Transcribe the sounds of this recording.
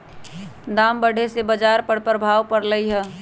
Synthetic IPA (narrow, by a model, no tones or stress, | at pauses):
d̪ambəɽ̤ʱesebəd͡ʒaɾpəɾpɾəbʱawpəɾləjɦə